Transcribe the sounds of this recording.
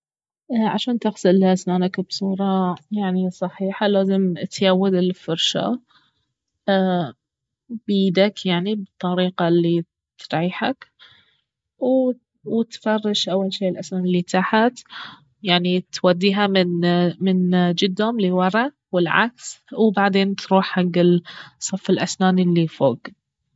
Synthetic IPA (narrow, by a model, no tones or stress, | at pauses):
ʔʕa̰ʃaːnt̪ɪxsɪlʔasnaːnakbsˤuːɾˤɑjaʕnisˤɑħiːħalaːzɪmt̪jawːad̪ɪlfʊɾʃa̰ | biːd̪akjaʕnibɨt̪ˤːɑɾiːqɑlːi | t̪ɾʕiːħak | w | wt̪fɑrˤːɑʃʔawːalʃiːɪlʔasnaːnɪlːit̪ʰaħat̪ | jaʕnit̪wad̪ːiːɦamɪmɪnd͡ʒɪd̪ːhʊmliwɑɾˤɑ | wɪlʕa̰kswbaʕd̪eːnt̪ɾuːħhaɡːɪlsˤːɑfːɪlʔasnaːnilːifoːɡ